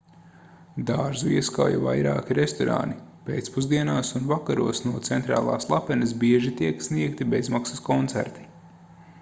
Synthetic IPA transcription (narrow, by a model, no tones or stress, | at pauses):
d̪aːɾzuiɛska̰wja̰va̰jɾa̰ːkʲiɾest̪ɔɾa̰nipeːt̪spuzd̪iɛnaːsunvakaɾṵɔsnuɔt̪sɛnt̪ɾa̰ːlˠa̰ːslˠapɛnɐsbiɛʒit̪iɛksniɛkt̪ibezmaksɐskɔnt̪sæ̰ɾt̪i̥